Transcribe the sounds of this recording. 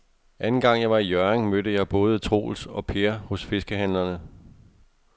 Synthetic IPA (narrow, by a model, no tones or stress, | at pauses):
ʔænn̩ɡ̥ɑ̈ŋ̰jɑ̈ɪʋɑ̈ijɶɐeŋmødəjɑ̈ɪb̥ɔ̽ːð̞̩ˠt͡sʰʁo̝̰ːl̩sɒ̽pʰe̝ɐhɔ̽sfe̝sɡ̥əɦænlɐnə